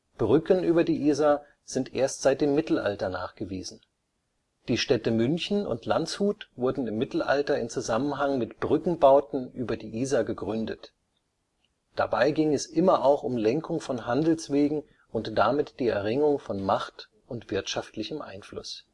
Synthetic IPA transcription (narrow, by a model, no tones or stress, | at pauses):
b̥ʁʏkənʔyːbɐdiːʔiːza | z̥ɪntʔeːɐstz̥aɪt̚d̥eːmːɪtl̩ʔa̰ltɐna̰ːχɡ̥əvḭːzn̩ | d̥iːʃtɛtəmʏnçn̩ʊ̰ntʰlant͡shuːtv̥ʊɐdn̩ɪmːɪtl̩ʔa̰ltɐɪmt͡suzamənɦaŋmɪtb̥ʁʏkŋ̩baʊtn̩ʔyːbɐdiːʔiːzaɡəɡʁʏndət | d̥a̰baɪɡɪŋɛsʔɪmɐʔaʊxʊmlɛŋkʰʊŋfɔnɦandl̩sv̥eːɡŋ̩ | ʔʊntd̥amɪtd̥iːɛ̰ɐʁɪŋʊŋfɔnmaχt | ʔʊntv̥ɪɐtʃaftlɪçəmʔa̰ɪnflʊ̰s